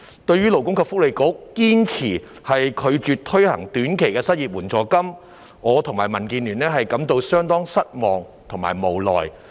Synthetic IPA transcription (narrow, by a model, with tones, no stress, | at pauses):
t̪ɵ˧ɥyː˥lo˨˩wkʊ˥ŋkʰɐ˧pfʊ˥kle˨˧jkʊ˨˥k̚ːiː˥nt͡sʰiː˨˩ | hɐ˨jkʰɵ˨˧ɥt͡ʃyː˨t̚t̪ʰɵ˥ɥhɐ̰˨˩ŋt̪yː˨˥nkʰe˨˩jkɛː˧sɐ˥t̚iː˨p̚wuː˨˩nt͡sɔː˨˧kɐ˥m | ŋɔː˨˧t̪ʰʊ˨˩ŋmaː˨˩jmɐ˨˩nkiː˧nlyː˨˩nlɛː˥ɦɐ˨jkɐ˨˥mt̪o˧wsœː˥ŋt̪ɔː˥ŋsɐ˥t̚mɔː˨ŋ | t̪ʰʊ˨˩ŋma̰ː˨˩jmo˨˩wlɔː˨j